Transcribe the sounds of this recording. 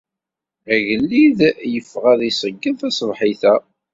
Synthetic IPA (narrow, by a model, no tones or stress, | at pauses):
æʝəlːiðjəfːʁaðisˤəɡːənθæsˤəvħiθæ